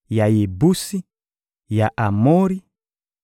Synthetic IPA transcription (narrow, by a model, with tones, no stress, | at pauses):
ja˨je˨bu˦si˦ | ja˨ʔa˨mo˦ɾi˦